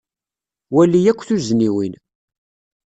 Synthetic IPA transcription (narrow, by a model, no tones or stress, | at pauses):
wælːijækʷːθuzniwḭn